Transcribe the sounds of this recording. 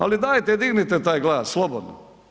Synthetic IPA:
a̰lid̪aːjt̪ed̪iɡnit̪et̪aːjɡlˠaːsslˠobod̪no̰

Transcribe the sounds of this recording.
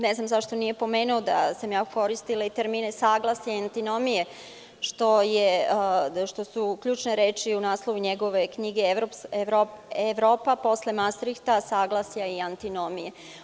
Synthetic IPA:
neznamzaʃt̪o̞nije̞po̞meːnuod̪asamjaːuko̞ɾist̪ileit̪eɾminesaːɡlˠasjaant̪ino̞mije | ʃt̪o̞je | ʃt̪o̞sukʎuːt͡ʃneɾeːt͡ʃiunaːslˠoʋuɲeɡo̞ʋe̞kɲiɡeɾopeɾoeʋɾoːpapo̞slemast̪ɾixt̪asaːɡlˠasjaiant̪inomije

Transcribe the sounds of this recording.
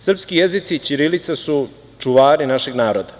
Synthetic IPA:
sr̩pskijezit̪sit͡ɕiɾilit̪sasu | t͡ʂuʋaːɾinaʃe̞ɡnaːɾod̪a

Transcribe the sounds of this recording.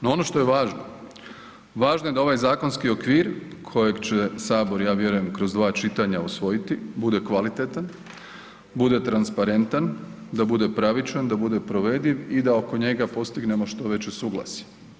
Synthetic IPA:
noo̞no̞ʃt̪ojeʋaːʒno | ʋaːʒnojed̪ao̞ʋajzaːko̞nskio̞kʋiːɾkʰo̞je̞ɡt͡ɕesaːbo̞ɾjaːʋje̞ɾuje̞mkɾo̞zd̪ʋaːt͡ʃit̪aɲausʋo̞jit̪ibud̪e̞kʋalit̪et̪an | bud̪e̞t̪ɾanspaɾe̞nt̪an | d̪abud̪e̞pɾaʋit͡ʃand̪abud̪e̞pɾo̞ʋe̞d̪iʋid̪ao̞ko̞ɲe̞ɡapo̞st̪iɡne̞mo̞ʃt̪o̞ʋe̞t͡ɕesuːɡlˠa̰si̥

